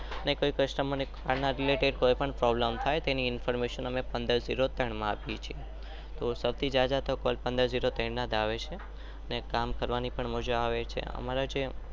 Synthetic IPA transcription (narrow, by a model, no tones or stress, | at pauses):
ənekoikəʃʈəmonekaɾnaɾileʈeɖkojpəɳpɾɔbləmt̪ʰajt̪eniɪnfəɾmeʃənəmepə̃nd̪əɾziɾot̪əɳmãapjet͡ʃʰie | t̪osəʋt̪ʰid͡ʒad͡ʒat̪okɔlpə̃nd̪əɾziɾot̪ɛ̃ɳnad̪aʋet͡ʃʰe | ənekamkəɾʋanipəɳmod͡ʒaaʋet͡ʃʰḛə̰maɾad͡ʒe